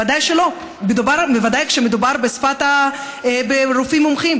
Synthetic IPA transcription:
ad̪ajʃelo̞ | bed̪ubaɾbevad̪ajkʃemed̪ubaʁbesfat̪a | beɾufimːomχim

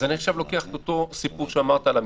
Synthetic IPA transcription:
anieχʃavlo̞keaχtot̪o̞sipuʁʃeamaʁt̪aːlam

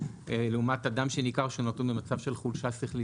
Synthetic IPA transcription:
eleumatadamʃenikaʁʃonotobemat͡savʃe̞lχulʃasiχli

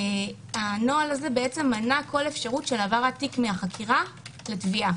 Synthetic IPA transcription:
ano̞alaze̞beet͡se̞mːanako̞le̞fʃaʁutʃe̞lavaʁatikmeaχakʰiʁaletvia

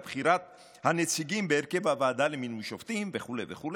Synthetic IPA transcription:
bχiɾat̪ | hanet͡siɡimbeːɾkevhavaːd̪aleminuʃoft̪imveχulejveχul

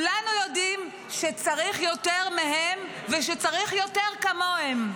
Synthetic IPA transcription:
ulanujo̞dim | ʃet͡saʁiχjo̞teʁmeɦem | veʃ̬et͡saʁiχjo̞teʁkamo̞hem

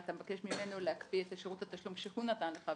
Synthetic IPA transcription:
at̪amvakeʃmimenoleakbietaʃeʁut̪at̪aʃlumʃeχunat̪anleχa

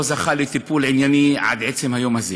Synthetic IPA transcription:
ozaχalet̪ipulʕinjaniʕa̰d̪ʕet͡semhajo̞maze

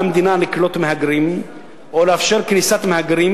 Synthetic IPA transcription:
md̪inaləklot̪mhaɡɾim | olæfʃiɾknisat̪mhæɡɾim

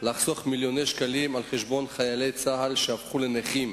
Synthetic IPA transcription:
laχsoaχmiljo̞ne̞jʃkalimalχeʃbo̞nχajale̞jt͡sahalʃeafχuleneχim

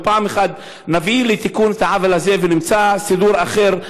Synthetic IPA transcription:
paːmeχad̪ | navilet̪ikunet̪aʕavelazevenimt͡sasid̪uɾaχe̞ʁ

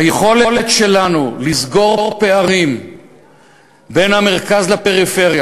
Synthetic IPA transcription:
hajeχo̞leletʃe̞lanulizɡo̞ʁʁpe̞aʁim | be̞nhame̞ʁkazlape̞ʁife̞ʁja

